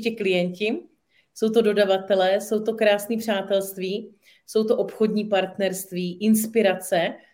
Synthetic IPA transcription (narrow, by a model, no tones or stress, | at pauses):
cɪklɪjɛɲcɪ | so̞wt̪o̞do̞davat̪ɛlɛːso̞wt̪o̞kɾaːsniːpr̝̥aːt̪ɛlst̪viː | so̞wt̪o̞ʔopxo̞dɲiːpaɾt̪nɛɾst̪viːʔɪnspɪɾat͡sɛ